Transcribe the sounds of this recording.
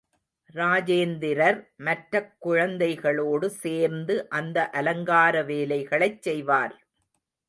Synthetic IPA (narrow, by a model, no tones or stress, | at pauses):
ɾaːd͡ʒeːnd̪ɪɾɐɾmɐʈɾɐkːʊɻɐnd̪ɐɪɣɐɭoːɽɯseːɾnd̪ɯʔɐnd̪ɐʔɐlɐŋɡaːɾɐʋeːlɐɪɣɐɭɐɪt͡ʃsɛjʋaːɾ